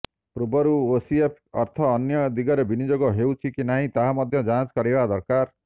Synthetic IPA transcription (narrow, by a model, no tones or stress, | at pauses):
pɾubɔɾuosiepʰɔ̰ɾt̪ʰɔːnjɔd̪iɡɔɾebinid͡ʒoɡɔɦewt͡ʃʰikinaɦĩt̪aɦamɔd̪ʱjɔd͡ʒat͡ʃkɔɾibad̪ɔɾkaɾ